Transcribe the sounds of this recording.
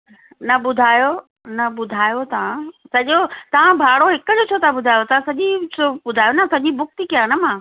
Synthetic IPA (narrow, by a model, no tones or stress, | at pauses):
nɐɓʊd̪ʱaːjo | nɐɓʊd̪ʱaːjot̪ɐʋ̤ãsɐʄot̪ɐʋ̤ãbʱaːɽoɦɪkəd͡ʑot͡ɕʰoːt̪ʰaɓʊd̪ʱaːjot̪ɐʋãsɐʄit͡ɕoɓʊd̪ʱaːjonɐsɐʄibʊkt̪ikijanɐmãː